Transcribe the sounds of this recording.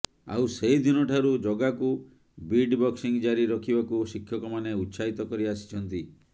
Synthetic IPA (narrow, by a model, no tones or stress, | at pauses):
a̰wseɦid̪inɔʈʰaɾud͡ʒɔɡaku | biɖbɔksiŋd͡ʒaɾiɾɔkʰibakusikʰjɔkɔmaneut̪ːsait̪ɔkɔɾiasi̥t͡ʃʰɔnt̪i